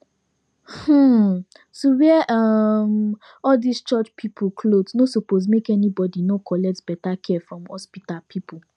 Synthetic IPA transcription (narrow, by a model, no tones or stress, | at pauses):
h̩ | sowiɛʔʌm | ɔldist͡ʃɔt͡ʃpʰipʰukʰlodsnosopos̬mekɛnibɔdinokʰɔlɛk̚tb̥ɛtakʰɛfɹɔ̃mhɔ̰spitalpʰipʰu